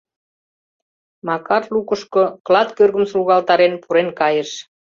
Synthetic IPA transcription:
mɑkɑrlukə̆ʃkoklɑt̪kørɣə̆msluɣɑlt̪ɑɾenpuɾenkɑjəʃ

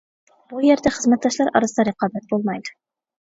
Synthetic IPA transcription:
b̥ujɛɾd̪ɛχəzmɛt̪̚d̪ɑʃlˠɑɾɑ̰ɾɨsɨd̪ɑɾɨqʰɑːbɛt̪̚bolˠmɑjd̪u̥

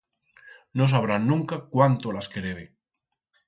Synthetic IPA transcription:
no̞s̬aβ̞ɾanːũŋkakwant̪olaskeðeβe

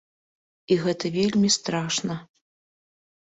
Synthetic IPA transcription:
iɣɛt̪ɐvʲelʲmʲist̪ɾaʂnɐ

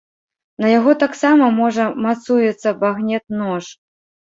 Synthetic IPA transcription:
nɐjaɣɔt̪aksamɐmɔʐɐmat̪sujɛt̪sːɐbaɣnʲɛt̪̚nɔʂ

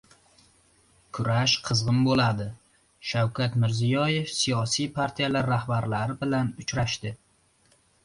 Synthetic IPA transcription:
kʰʊɾaʃqʰɨzʁɨmbolad̪ɪ | ʃawkʲʰat̪mɪɾzijɒjefsijɒsijpʰaɾt̪ʰijalaɾːahbaɾlaɾɪbɪlanʊt͡ʃɾaʃt̪ɪ

